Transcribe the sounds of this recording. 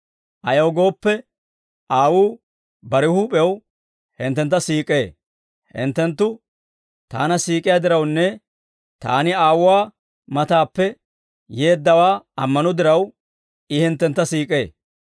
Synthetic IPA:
ʔɐjowɡo̞ːpːɛ | aːwuː | bɐɾɪhuːpʼɛw | hɪnt̪ːɛnt̪̬ːɐsiːkʼeː | hɪ̰nt̪ːɛnt̪ːʊ | t̪aːnɐsiːkʼɪjad̪ɪɾɐwnːɛ | t̪a̰ːnɪaːwʊwaː | mɐt̪aːpːɛ | jeːd̪ːɐwaːɐmːɐnɔd̪ɪɾɐw | ɪhɪnt̪ːɛnt̪ːɐsiːkʼe̞ː

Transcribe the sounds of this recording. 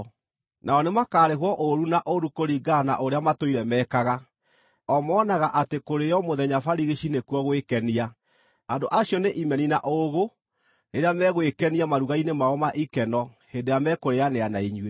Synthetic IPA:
naɔnemakaːɾeɦwɔʔoɾunaʔoɾukoɾiɡana̰ʔoɾeamatoiɾɛmɛkaɣa | ɔmɔːnaɣaʔatekoɾejɔmoðɛɲafaɾiɣeʃinekuɔɣwekɛnia | andoʔaɕjɔneʔimɛninaʔoɣo | ɾeɾeamɛɣwekɛniamaɾuɣainemaɔmaʔikɛnɔhendejamɛkoɾejaneanaiɲwe

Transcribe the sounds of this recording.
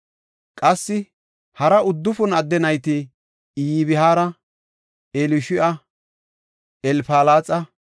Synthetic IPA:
kʼɐsːɪ | hɐɾɐʊd̪ːʊfʊnɐd̪ːɛnɐjt̪ɪ | iːβɪɦaːɾɐ | elʊʃɪʔɐ | ɛlfaːlaːt͡sʼɐ

